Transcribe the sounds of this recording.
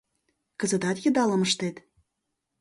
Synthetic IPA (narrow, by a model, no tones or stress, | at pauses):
kəzə̆t̪ɑt̪jə̆d̪ɑlə̆məʃt̪et̪